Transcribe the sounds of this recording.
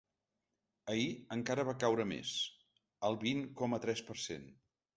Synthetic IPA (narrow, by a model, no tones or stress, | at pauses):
əiəŋkaɾəβ̞akawɾəmḛs | əlˠβiŋkɔmət̪ɾɛspəɾsḛn